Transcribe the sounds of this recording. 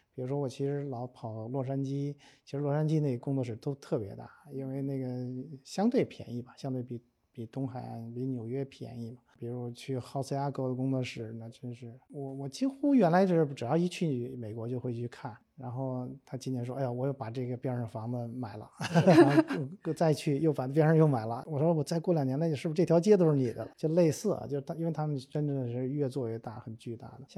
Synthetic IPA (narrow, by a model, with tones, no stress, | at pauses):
pi˨˩ɻu˧˥ʂ̬wɔ˥wɔ˨˩t͡ɕʰi˧˥ʂɻ̩˧˥lɑ˧˥ʊpʰɑ˨˩ʊlwɔ˥˩ʂ̬a˥nt͡ɕi˥t͡ɕʰi˧˥ʂɻ̩˧˥lwɔ˥˩ʂa˥nt͡ɕi˥ne˥˩ɡə˩kʊ˥ŋt͡swɔ˥˩ʂɻ̩˨˩t̪o˥ʊt̪ʰɤ˥˩pjɛ̰˧˥t̪a̰˥˩i˥nwe˥˧ɪne˥˩ɡə˩ɕjɑ˥ŋt̪we˥˩ɪpʰjɛ̰˧˥ni˥˩bɐ˩ɕjɑ˥ŋt̪̬we˥˩pi˧˩ | pi˨˩t̪ʊ˥ŋxa˨˩˦npi˧˥njo˨˩ʊɥɛ˥pʰjɛ̰˧˥ni˥˩bɐ˩pi˨˩ɻu˧˥ʂwɔ˥t͡ɕʰy˥˩xɑ˥˧ʊs̩˥˧ja˥ko˥˩ʊd̪ə˩kʊ˥ŋt͡swɔ˥˩ʂɻ̩˨˩nə˧t͡ɕjo˥˧ʊʂɻ̩˥˩wɔ˧˩wɔ˨˩t͡ɕi˥ŋxu˥ɥɛ˧˥nla˧˥ʈ͡ʂo˧˩ʂɻ̩˥˩ʈ͡ʂɻ̩˨˩j̪ɑ˥˧i˧˥t͡ɕʰy˥˩˨me˨˩ɪkwɔ˧˥t͡ɕjo˥˧ʊxwe˥˧t͡ɕʰy˥˧kʰa˥˩n | ɻa˧˥nxo˥˩ʊt̪ʰa˥t͡ɕi˥njɛ˧˥nʂwɔ˥a˥˩˧wɔ˨˩˦jo˥˩ʊpa˨˩ʈ͡ʂɤ˥˩ɡə˩pjɛ˥nʂɑ˥˩ŋfɑ˧˥ŋd̪ə˧ma˨˩ɪlə̰˦˥˧ | jo˥˩˧t͡sa˥˧ɪt͡ɕʰy˥˧jo˥˩ʊpa˨˩˥p̬jɛ˥ʂɑ˥˧jo˥˩ʊma˨˩ɪlə˦wɔ˨˩ʂɔ˥wɔ˨˩t͡sa˥˧ɪkwɔ˥˩ljɑ˨˩ŋnjɛ˧˥nla˧˥˧ʂɻ̩˥˩˧ʈ͡ʂt̪ʰjɑ˥ʊt͡ɕjɛ˥t̪o˥ʊʂɻ̩˥˩ni˨˩d̪ə̰˦t͡ɕjo˥˧ʊʂ̩˧le˥˧ɪsɹ̩˥˩ɐ̰˩t͡ɕjo˥˧ʂɻ̩ʰ˥˧˩nwe˥˧ɪt̪ʰa˥mə˨ʈ͡ʂə˥nʈ͡ʂə˥˩d̪ə˨˩˧ɻɥɛ˥˧t͡swɔ˥˧ɥɛ˥˧t̪a̰˥˩xə˨˩nt͡ɕy˥˧t̪a̰˥˩d̪ə˩˦˥